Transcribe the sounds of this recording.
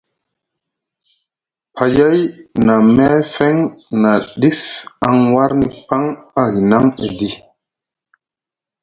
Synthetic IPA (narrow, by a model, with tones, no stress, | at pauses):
pʰa˨ja˦jna˨mɛ˦fe˦ŋna˨ɗi˦fa˨ŋwa˦ɾni˦pa˦ŋa˦ɦi˨na˦ŋḛ˨ɡi˦